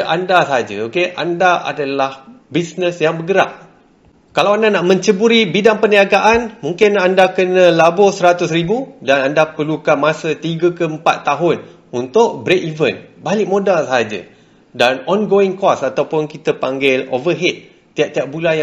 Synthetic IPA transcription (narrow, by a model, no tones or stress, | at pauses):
ʔandasaɦad͡ʒa̰okeʔa̰ndaʔa̰dalahbisnəsjaŋbəɡəɾa̰p̚ | kalawandanaʔmə̃ɲt͡ʃəbuɾibidaŋpəniaɡaʔanmũŋkɪnandakənə̃labʊsəɾat̪ʊs̬ribudanandapərlukamasət̪iɡəkəəmpa̰t̪ːaɦʊn | unt̪ʊʔ̚bɾekivənbalɪk̚mõdalsaɦad͡ʒa̰ | danɔnɡoɪŋkɔsat̪awpʊnkit̪əpaŋɡɪlo̰vəɦɛt̪̚ː | iaʔ̚t̪iaʔ̚bulanj